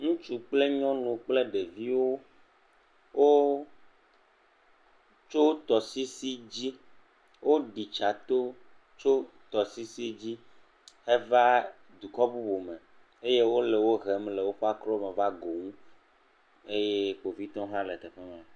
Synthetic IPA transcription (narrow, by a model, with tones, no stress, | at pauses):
ŋũ˦t͡ʃu˦k͡ple˦ɲɔ̃˦nũ˨k͡ple˦ɖe˨vi˦wo˦ | wo˦ | t͡ʃo˦t̪ɔ˨si˦si˦d͡ʑi˦ | wo˦ɖi˨t͡ʃa˨t̪o˦ | t͡ʃo˦ | t̪ɔ˨si˦si˦d͡ʑi˦ | he˦va˦ | d̪u˨kɔ˦bu˦bo˨mɛ̃˨ | e˦je˦wo˦le˨wo˦ɦɛ˨mlɛ˨wo˦xɔ˦a˦kɾɔ˦me˨va˦ɡo˨ŋũ˦ | e˦je˦k͡po˨vi˦t̪ɔ̃˦ɦã˦lɛ˨t̪ɛ˨ɸɛ˦mã˨